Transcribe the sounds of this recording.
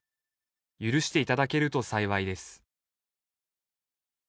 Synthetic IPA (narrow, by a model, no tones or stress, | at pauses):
jɯɾɯ̟ɕi̥t̪e̞it̪ad̪ake̞ɾɯ̟t̪o̞saiβaid̪e̞sɨ̥